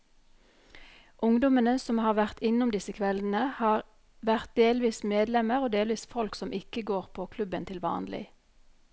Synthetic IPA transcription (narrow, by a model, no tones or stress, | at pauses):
ʔʊŋd̪ʊmənəsɔmhɑːʁʋæʁt̪ɪnʊmd̪ɪsəkʰʋɛln̩əhɑːʁ | ʋæʁt̪̚d̪eːlʋiːsmeːd̪lɛməʁoːd̪eːlʋiːsfɔlksɔmʔɪkəɡoːʁpʰoːkʰlʉbənt̪ʰɪlʋɑ̰ːnlɪ̰